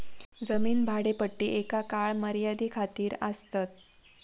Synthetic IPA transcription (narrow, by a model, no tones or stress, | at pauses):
d͡zəmiːnbʱaɽepəʈːiːʔekakaɭməɾjad̪iːkʰat̪iːɾəst̪at̪̚